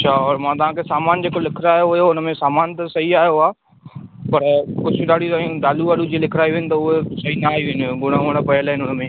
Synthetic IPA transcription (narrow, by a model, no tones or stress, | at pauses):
ɐaɔːɾmãt̪ɐʋ̤ãkʰeːsaːmaːnd͡ʑeːkolɪkʰɾaːjoʋɐjoʊnəmẽsaːmaːnt̪ɐsɐiaːɦijoaː | pɐɾkʊd͡ʑʱɗaːɽ̤ʱit̪ajũɗ̪aːluʋaːɽud͡ʑeːlɪkʰɾaːiʋeɪnɪ̆t̪ɐʊɦesɐɦinaːɦiʋeɦnɡʊɽ̃aːʋəɽ̃pɐəlaɦɪnɪʊnəmẽː